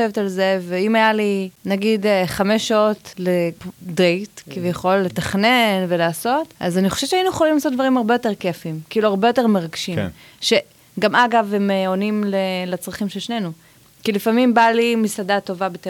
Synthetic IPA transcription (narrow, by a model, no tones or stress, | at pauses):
evetalze̞veimajalinaɡideχamesʃːao̞tledʁejtkivjaχo̞lːe̞taχne̞nvelaːso̞tʔa̰zaniχoʃevtt͡ʃeainujeχolimlasot̚d̪vaʁimaʁbe̞jo̞teʁkefimkiiluaʁbejo̞te̞ʁme̞ʁaɡʃim | ʃe̞ | ɡamaɡavemonimlelat͡sʁaχimʃelʃne̞nu | kilifamimbalimisadato̞vabete